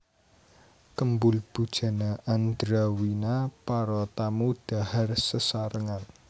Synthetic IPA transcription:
kəmbʊlb̥ṳd̥ʒ̥a̤naʔand̪ɾawinapaɾɔt̪amud̥a̤harsəsaɾəŋan

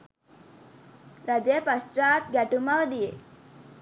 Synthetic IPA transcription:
ɾad͡ʒepast͡ʃaːt̪̚ɡɛʈumaʋəd̪ije

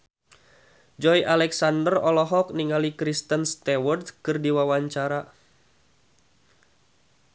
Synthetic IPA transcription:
d͡ʒɔjʔalɛksandərɔlɔɦɔk̚niŋalikɾist̪ənst̪awɔrt̪kɨrdiwawaɲt͡ʃaɾa

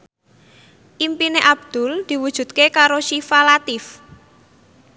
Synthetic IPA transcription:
ʔimpineʔab̚d̪̥ʊ̤ld̪̥i̤wud̥ʒ̥ṳd̪̚kekaɾoʃifalat̪ɪf

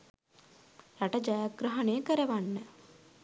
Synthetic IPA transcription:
ɾaʈəd͡ʒajaɡɾəɦɐnejəkəɾəʋanːə

